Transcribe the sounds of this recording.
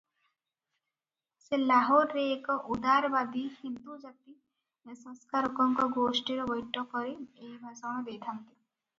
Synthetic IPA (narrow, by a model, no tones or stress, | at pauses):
selaɦoɾɾeːkɔʔud̪aɾbad̪ihind̪ud͡ʒat̪i | nesɔ̃ŋskaɾɔkɔŋkɔɡosʈiɾɔbɔjʈːɔkɔɾeeɦbʱasɔɽ̃ɔbed̪ʱant̪i